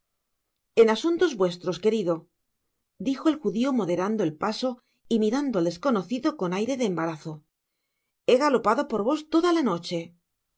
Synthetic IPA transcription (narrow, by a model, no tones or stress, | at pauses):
e̞nasunt̪o̞zβwe̞st̪ɾo̞ske̞ɾiðo̞ | d̪ixo̞elxuðiomo̞ðe̞ɾand̪o̞elpaso̞ | imiɾand̪oald̪e̞sko̞no̞θiðo̞ko̞najɾe̞ðeːmbaɾaθo̞ | e̞ɣalo̞paðo̞po̞ɾβo̞st̪o̞ðalano̞t͡ʃe̞